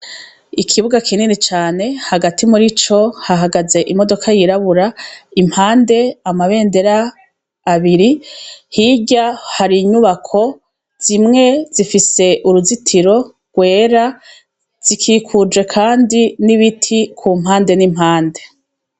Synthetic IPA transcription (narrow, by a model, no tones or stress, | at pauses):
ikʰiβuɡakʰininit͡ʃaːne̞haɡatʰimuɾit͡ʃo̞haɦaɡaze̞ʔimo̞do̞kʰajiɾaβuɾaim̥haːnde̞amaβe̞ːnde̞ɾaː | βiɾihiɟahaɾiɲuβakʰo̞ | z̥imŋe̞z̥ifise̞ʔuɾuzitʰiɾo̞ | ɡ̥we̞ːɾa | z̥ikʰiːkʰud͡ʒwe̞kʰaːndiniβitʰikʰumhaːnde̞nim̥haːnde̞